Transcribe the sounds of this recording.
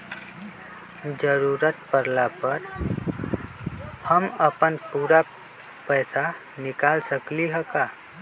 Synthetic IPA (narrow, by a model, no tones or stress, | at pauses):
d͡ʒəɾuɾət̪pəɾlapəɾ | həməpənpuːɾa | pəjsa | nɪkaːlsəkliɦəka